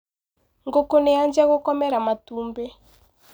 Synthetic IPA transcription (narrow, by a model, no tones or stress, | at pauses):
ŋɡokonejand͡ʒɛɣokɔmɛɾamatuːmbe